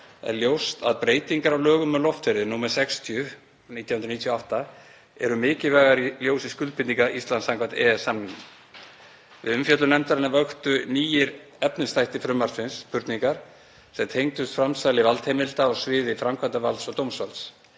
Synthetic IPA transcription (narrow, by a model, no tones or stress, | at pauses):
ɛ̰ɾljowst̪a̰ðpɾeːjt̪iŋkaɾawlœːɣʏmːɛðlɔft̪ʰfɪɾɪnuːmaɾ̥sɛkst̪ʰijʏ | niːt̪jawhʏnɾniːt̪ʰjoawht̪a | ɛ̰ɾʏmɪːcɪvɛɣaɾiljoːwsiskʏlt̪pʰɪniŋkaʔist̪lansaŋkʰvant̪ɛːɛsːamnɪn | vɪðʏmfjœt̪lʏnɛmt̪aɾɪnavœxt̪ʏniːjɪɾ | ɛpnɪnst̪ajht̪ɪfɾʏmːaɾ̥sfɪnspʰʏɾt̪niŋkaɾ̥ | sɛmt̪ʰejŋt̪ʏst̪fɾamsajlɪvalt̪hejmɪlt̪aɔɣsvɪːðɪfɾamkʰvant̪avalt̪sɔɣt̪owmsvalt̪s